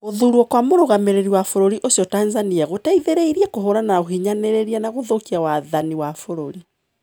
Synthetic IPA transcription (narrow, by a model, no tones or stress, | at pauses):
ɣoðuɾwɔkwamoɾoɣameɾeɾiwafoɾoɾiʔosjɔtanzaniaɣotaiðeɾeiɾiakoɦoɾanaoɦiɲaneɾeɾianaɣoðokiawaðaniwafoɾoɾi